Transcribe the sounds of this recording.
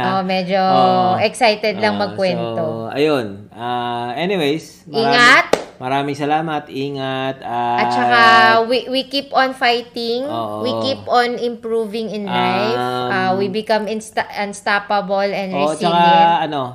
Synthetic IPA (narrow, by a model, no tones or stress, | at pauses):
ʔomɛd͡ʒoʔɛksajt̪ɛd̪lɐŋmɐɡ̚kwɛnt̪oʔɐ̰jonʔaʔɛniwejs | ʔiːŋɐt̪̚mɐɾaːmɪŋsɐlaːmɐt̪ʔiːŋɐt̪̚aɐt̚t͡ʃɐkawiwikipɔnfajt̪ɪŋowikiponɪmpɹuvɪŋɪnlajfʔawibɪkɐmɪnst̪ɐnst̪apɐbolɛ̃nd̪ɹɛsɐkaɛʔɐno